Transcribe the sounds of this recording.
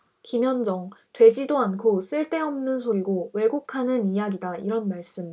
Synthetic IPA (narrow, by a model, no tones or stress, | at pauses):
kimjʌnd͡ʑʌŋtwe̞d͡ʑidoankʰos͈ɯɭt͈e̞ʌmnɯns̬ʰoɾiɡowe̞ɡokʰanɯnijaɡidaiɾʌnmaɭs͈ɯm